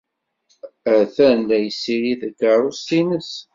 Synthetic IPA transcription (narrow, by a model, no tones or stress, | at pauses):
æθænlæjsiɾiðəɡəɾˤʊsinəs